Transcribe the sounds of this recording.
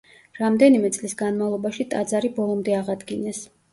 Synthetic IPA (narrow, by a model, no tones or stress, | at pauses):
ɾamd̪ɛnimɛt̪sʼlisɡanmavlˠɔbaʃit̪ʼad̪zaɾibɔlˠɔmd̪ɛaʁad̪ɡinɛs